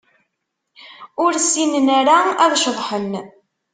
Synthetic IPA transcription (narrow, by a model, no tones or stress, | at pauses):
ʊɾsːinənæɾaæðʃəðˤħən